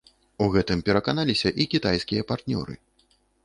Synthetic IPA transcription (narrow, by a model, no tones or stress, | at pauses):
uɣɛt̪ɨmpʲɛɾɐkanalʲisʲɐʔikʲit̪ajskʲijɐpart̪nʲɔ̰ɾɨ̰